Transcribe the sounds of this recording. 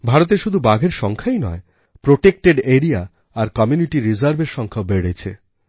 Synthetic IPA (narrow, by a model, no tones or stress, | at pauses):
bʱaɾot̪̬eʃud̪ʱubaɡʱeɾʃɔŋkʰajnɔ̰e | pɾoʈek̚ʈeɖeɾiaː | ɾkɔmjuniʈiɾizaɾbeɾʃɔŋkʰaobeɽet͡ɕʰḛ